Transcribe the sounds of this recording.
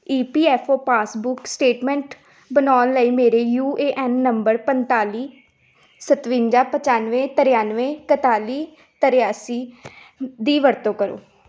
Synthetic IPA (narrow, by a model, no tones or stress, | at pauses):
iːpiːɛːpʰoːpaːsbʊksʈeːʈmɛ̃ːɳʈ | bənaːnləiːmeːɾeːjuːeːʔɛnːəmbəɾpənt̪aːliː | sət̪ʋɪ̃ɲd͡ʒaːpət͡ʃaːnʋẽːt̪əɾɪjaːnʋẽːkət̪aːliː | t̪əɾɪjaːsiː | d̪iːʋəɾt̪õːkəɾo̰ː